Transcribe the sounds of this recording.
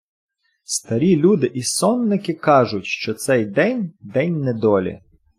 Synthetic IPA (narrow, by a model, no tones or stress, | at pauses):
st̪ɐɾʲilʲud̪ɪʔisɔnːɪkɪkɑʒʊtʲʃt͡ʃɔt̪sɛjd̪ɛnʲd̪ɛnʲnɛd̪ɔlʲḭ